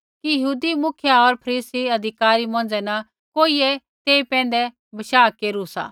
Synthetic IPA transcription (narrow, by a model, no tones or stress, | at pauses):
kijɐɦuːd̪imʊkʰjaɔɾpʰɐɾiːsiɐd̪ʱɪkaːɾimɔ̃ːn̆d͡ʒɛnɐ | koːiɛ | t̪eːipɛ̃ːn̆d̪ɛ | bɐʃaːkeːɾusa̰ː